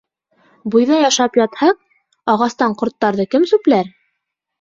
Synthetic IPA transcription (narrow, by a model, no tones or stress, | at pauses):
bujðɑjɑʃɑpjɑt̪hɑq̚ | ɑʁɑst̪ɑɴqŏɾt̪ːɑɾðɤkɘmsʉplæɾ